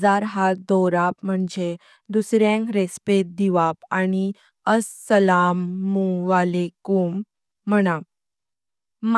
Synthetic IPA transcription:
aɾɦad̪ɔɾapməɳd͡ʑe | d̪usɾjãŋkɾespet̪̚d̪iʋapañi | əsːəlamuʋalekumː | əɽ̃a | m

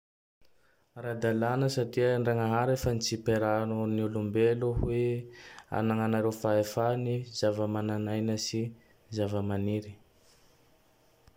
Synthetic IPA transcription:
ɾad̪alanəsatiəɳɖ͡ʐaŋəaɦaɾefənit͡sipeɾanoniulumbeluhwe | a̰naŋanaɾewfaefanizavəmananajnəsi | zavəmaniɾi̥

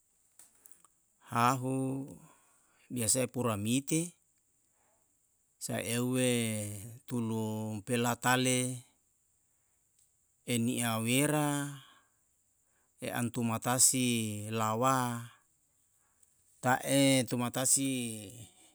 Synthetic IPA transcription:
haɦu | biasaepuɾamit̪e | sa̰ʔeuwe | t̪ulupelat̪ale | eniʔaweɾa | eʔa̰nt̪umat̪asilawa | t̪aʔet̪umat̪asi

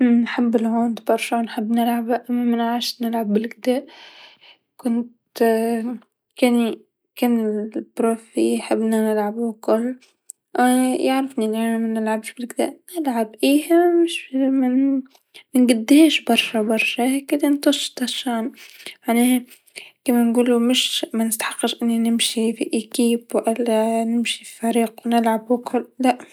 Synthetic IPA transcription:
nħɪbːɪlhoːnt̪bɑɾˤʃɑwnħɪbːnɪlʕabaʔamːamɪnʕaːʃnɪlʕabːɪlɡd̪aːʔ | kʊnt̪ | keni | kɪnɪbɾoːfḭħɪbːnanɪlʕabukʊlː | jaʕɾɪfninaʕmamɪnːɪlʕabʃbɪlɡɪd̪æ̰ːʔnɪlʕabʔiːhamɪʃmn | mɪnɡɪd̪ːheːʃbɑɾˤʃɑbɑɾˤʃɑhekɪd̪int̪ɑʃːt̪ˤɑʃaːmane | kamanɡuːlumɪʃmanɪst̪aħɑ̥qːɑʃʔɪnːinɪmʃifḭʔikiːbwʔɪlːanɪmʃifi̥faɾiːqwnɪlʕabʊkʊlːaʔ

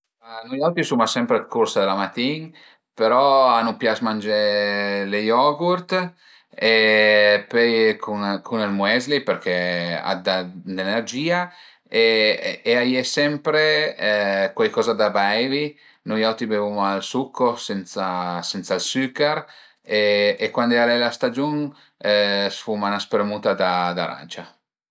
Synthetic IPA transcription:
anujawt̪isumasɛmpɾekursad̪elamat̪iŋ | peɾɔanupjasmand͡ʒelejɔɡuɾt̪ | e | pøjkʰunkʰunelmwɛzlipeɾkʰɛa̰d̪ad̪enerd͡ʒiːa | eː | ajɛsɛmpɾe | kwajkɔːzad̪abaɛvi | nojawt̪ibevumalsukʰːosɛnt̪sasɛnt̪salsykɛɾ | eːkwand̪ɛalɛjlast̪ad͡ʒuŋ | sfumanaspeɾmut̪ad̪ad̪aɾa̰nt͡ʃa

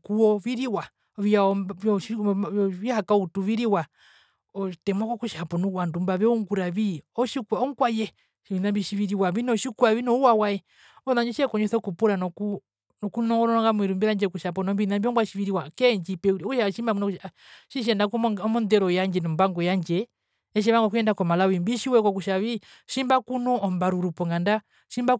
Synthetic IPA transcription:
kuɔβiɾiwa | βiaiihakautuβiɾiwa | ɔtɛmakɔkuʃapɔnuwandumbaβɛuŋɡuɾaβiɔʃikaɔŋkwajɛ | inambiʃiβiɾiwaβinɔʃikuaβinɔuwawaɛ | ɔnaɲd͡ʒɛʃɛkɔɲɛsɔkupuɾanɔku | nɔkunɔŋɡɔɾɔɔŋɡamwiɾumbiɾaɲd͡ʒɛkuʃap̬ɔnɔmbinambiɔŋɡaʃiβiɾiwakɛɲd͡ʒipɛkuʃaʃimbakunɔk | ʃiʃ̬ɛndakmɔndɛɾɔjaɲd͡ʒɛnɔmbaŋɡɔjaɲd͡ʒɛ | ɛʃ̬iɛβaŋɡɔkujɛndakɔmalawimbiʃiwɛkɔkuʃaβi | ʃimbakunɔɔmbaɾuɾupɔŋɡanda | ʃimba

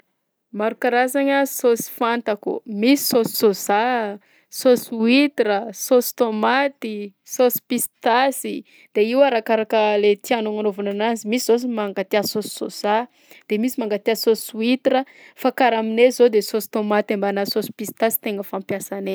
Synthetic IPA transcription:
maɾukaɾazaɲəsosi̥fant̪akṵmisi̥sosi̥soza | soswit̪iɾəsosi̥t̪omat̪i | sosi̥pist̪asi | d̪̥eiwaɾakaɾakəlet̪ianoŋanovanananzimisizos̬imaŋɡat̪iasosi̥so̰za | d̪̥emisimaŋɡat̪iasosuit̪iɾə | fakaɾaminezod̪esosi̥t̪omat̪ambanasosi̥pist̪asi̥t̪eŋəfampjasane

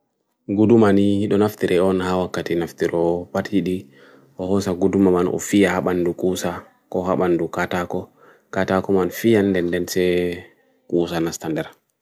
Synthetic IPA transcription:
ɡudumanihiɗɔnaftiɾʔɛɔnhawakːatinaftiɾɔpathiɗi | ʔɔhɔsaɡudumamanʔɔ̰fijahaɓandukʼuːsa | kɔhaɓandukatakɔ | katakɔmanfijandɛndɛnsɛ | kʼuːsanastandɛɾ

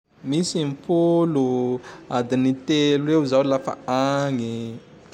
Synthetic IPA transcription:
misimpuluad̪init̪eluweuzawlafa̰aŋi

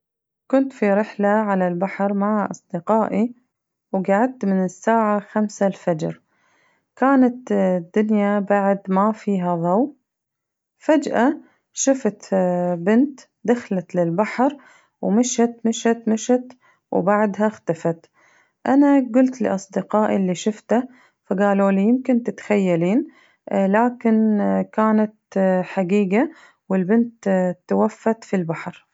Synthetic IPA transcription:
kʊnt̪fiɾɪħlaʕalalbaħɾˤmaʕaʔɑ̰sˤd̪ɪqɑːʔi | wɡaʕad̪̚t̪mɪnɪsːaːʕaxamsalfad͡ʒɾ | kaːnat̪d̪ːʊnjabaʕd̪mafiːɦaðˤɑw | fad͡ʒʔa | ʃaft̪bɪnt̪ | d̪axlat̪lɪlbaħɾ | wmɪʃhat̪mɪʃat̪mɪʃat̪ | wbaʕd̪ɦaxt̪afat̪ | ʔanaɡʊlt̪lɪ̰ʔɑsˤd̪ɪqɑːʔɪlːiʃʊft̪a | faɡaːloːlijɪmkɪnt̪ɪt̪xajːaliːn | laːkɪnkaːnat̪ħaɡiːɡa | wɪlbɪnt̪t̪ːawafːat̪filbaħɾ

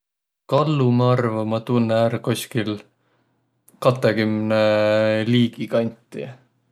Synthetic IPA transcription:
kɑlːumɑɑrvɑmɑt̪unːeæːɾkoskil | kɑt̪ːˑekymneliːɡikɑnʲt̪ˑːi

